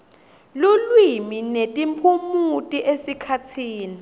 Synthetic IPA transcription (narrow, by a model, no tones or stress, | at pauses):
lulwiminetʼimpʰumutʼiʔesikʰatʰiːni